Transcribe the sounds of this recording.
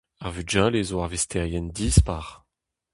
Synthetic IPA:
aʁvyd͡ʒalezoaʁvist̪ʰɛʁjɛndiːspaʁ

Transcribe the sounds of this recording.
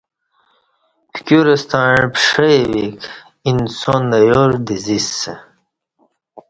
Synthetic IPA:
pkʲuɾest̪ɑɻpʂejwik | insonəjoɾd̪izise

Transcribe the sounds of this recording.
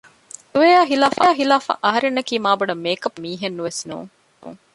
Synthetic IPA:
d̪uʋejaːɦilaːfaːɦilaːfɐ̰ʔɐɦɐɾenːɐkiːmaːbɐɖɐmeːkɐpmiːɦenːuʋesnṵːŋ

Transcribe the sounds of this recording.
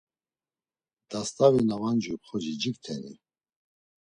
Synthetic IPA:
d̪̥ast̪ʰʼavinavand͡ʒupχɔd͡ʒid͡ʒikt̪ʰɛnḭ

